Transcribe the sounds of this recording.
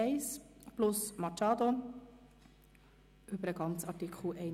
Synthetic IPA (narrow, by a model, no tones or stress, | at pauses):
ɛɪsplʊsmɑt͡ʃɑːd̪o | ʔʏbəɾəɡɑnt͡sɑtikχl̩ʔɛɪ